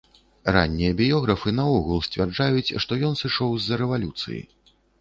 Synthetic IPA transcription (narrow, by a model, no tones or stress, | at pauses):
ra̰nʲːijɐbʲijɔɣɾɐfɨnɐɔɣulˠsʲt͡sʲvʲard͡ʐajut͡sʲʂt̪ɔjɔnsɨʂɔwzːɐɾɛvalʲut̪sɨ̰jḭ